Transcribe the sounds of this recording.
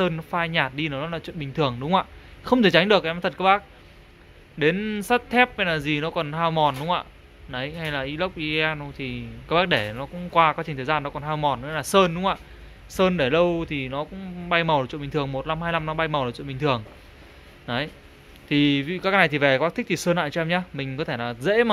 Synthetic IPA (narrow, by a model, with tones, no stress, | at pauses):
səː˧n˦faː˧jɲaː˨˩t̚ɗi˧nə˨˩˦nɔ˨˦˥laː˨˩t͡ɕwḭ˧˨nɓï˨˩ŋ̟t̪ʰɨ˨˩əŋɗʊ˨˦ŋ͡mʔaː˧˨xə˧wŋ͡mt̪e˧˩t͡ɕa˨˦ŋ̟ɗɨ˨˩ək̚ʔm˨˩t̪ʰə˩kaː˦˥kɓaː˦˥k̚ | ɗe˨˦nsə˦˥t̚t̪ʰɛ˦˥p̚ha˧jlaː˨˩zi˨˩nɔ˨˦kɔ˨˩nɦaː˧wmɔ˨˩nɗʊ˨˦ŋ͡mʔa̰ː˧˨ | nə˨˦jha˧jlaː˨˩ʔi˨˦lə˦˥wk͡p̚ʔi˧ɛ˧n˧t̪ʰi˨˩kaː˧˦˥ɓaː˦˥k̚ɗe˧˩nɔ˨˦kʊ̰˧˥ŋ͡mkwaː˧kwaː˨˦t͡ɕi̟˨˩t̪əː˨˩zaː˧nːɔ˨˦kɔ˨˩nhaː˧wmɔ˨˩nːɔ˨˦laː˨˩səː˧nɗʊ˨˦ŋ͡mʔa̰ː˧˨ | səː˧nɗe˧˩lə˧wt̪ʰi˨˩nɔ˨˦kʊ̰˧˥ŋ͡mɓa˧jma˨˩w̚t͡ɕwḭ˧˨ï̟˨˩t̪ɨ˨˩əŋmo˨˩t̚la˧mhaː˧jla˧mnɔ˨˦ɓa˧jma˨˩w̚t͡ɕw̰ɓï˨˩t̪ʰɨ˨˩əŋ | nə˨˦j | t̪ʰi˨˩vḭ˧˨kaː˨˦˥kːaː˨˦n˨˩jt̪i˨˩ve˨˩ka˦˥ɓaː˦˥t̪ʰk̚t̪ʰi˨˩səː˧nːʔa̰ː˧˨t͡ɕɔ˧ɛ˧mɲaː˧mï˨˩ŋ̟kɔ˨˦t̪ʰe˧˩laː˨˩zḛ˧˥ma˨